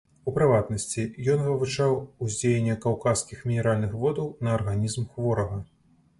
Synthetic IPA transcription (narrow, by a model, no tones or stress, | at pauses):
upɾɨvat̪nɐsʲt͡sʲijɔnvɨvut͡ʂawuzʲd͡zʲejenʲːɐkawkaskʲixmʲinʲɛɾalʲnɨxvɔd̪ɐwnɐːrɣanʲizmxvɔɾɐɣɐ